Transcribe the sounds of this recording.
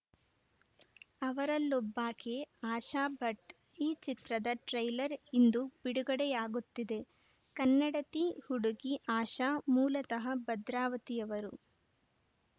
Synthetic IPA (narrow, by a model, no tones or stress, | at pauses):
ɐʋɐɾɐlːɔbːaːkeaːʃaːbɐʈ | iːt͡ʃit̪ɾɐd̪ɐʈɾɐjlɐɾind̪ubiɽuɡɐɽɛjaːɡut̪ːid̪e̞ | kɐnːɐɽɐt̪ihuɽuɡiʔaːʃaːmuːlɐt̪ɐɦɐbɐd̪ɾaːʋɐt̪ijɐʋɐɾu